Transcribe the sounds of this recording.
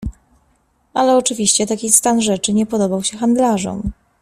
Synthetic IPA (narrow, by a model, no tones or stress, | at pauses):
alɛɔt͡ʂɘvʲiɕt͡ɕɛt̪akʲist̪anʐɛt͡ʂɘɲɛpɔd̪ɔbawɕɛxand̪laʐɔ̰m